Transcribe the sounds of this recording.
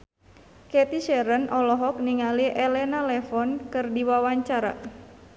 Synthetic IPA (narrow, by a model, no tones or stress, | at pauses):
kɛt̪iʃɛɾənʔɔlɔɦɔk̚niŋaliʔelɛnalɛfɔnkɨrdiwawaɲt͡ʃaɾa̰